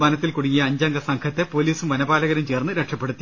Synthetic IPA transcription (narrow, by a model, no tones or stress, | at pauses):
bɐnɐt̪ːilkuɽiŋːijɐːɲd͡ʑɐŋɡɐsɐŋkʰɐt̪ːepo̞ːliːsumʋɐnɐbaːlɐɣɐɾɐmt͡ɕe̞ːrnːɨɾeʈʂɐpːeɽut̪ːi